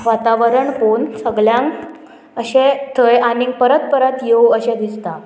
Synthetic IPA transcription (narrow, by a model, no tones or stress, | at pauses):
ʋat̪aʋəɾəɳkonsəɡɭjãŋk | əɕẽt̪ʰəjanĩŋ̚pəɾət̪̚pəɾət̪jewəɕẽd̪ist̪a